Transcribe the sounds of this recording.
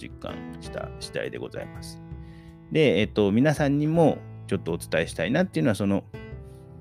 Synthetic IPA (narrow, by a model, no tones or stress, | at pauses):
ḭkːã̰ŋɕi̥t̪a̰ɕi̥t̪a̰ḭd̪e̞ɡo̞za̰imasɨ̥ | d̪e̞et̪ːo̞mʲinasãɲ̟ːimo̞t͡ɕo̞t̪ːo̞ːt͡sɨ̥t̪ae̞ɕi̥t̪ainat̪ːeiɯ̟noasono̞